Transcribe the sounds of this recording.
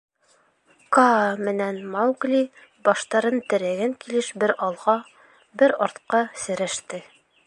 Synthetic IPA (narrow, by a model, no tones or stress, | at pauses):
kɑmɘ̆nænmawɡlʲi | bɒʃt̪ɑɾɤnt̪ɘ̆ɾæɡæŋkilɘʃbɘɾɑlˠʁɑ | bɘɾɒɾt̪qɑsɘ̆ɾæʃt̪ɘ